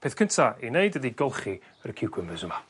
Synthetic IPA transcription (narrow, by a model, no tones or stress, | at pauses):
pʰeːθkʰəntʰaʔineɨdədiɡɔlˠχi | əɾəkʰɪwkʰwɪməzəma